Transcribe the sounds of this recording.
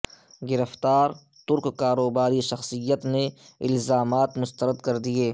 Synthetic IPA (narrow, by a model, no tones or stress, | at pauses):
ɡɪɾəft̪aːɾ | t̪ʊɾkkaːɾoːbaːɾiʃɐxsijət̪ne | ɪlzaːmaːt̪mʊst̪əɾəd̪kɐɾd̪ieː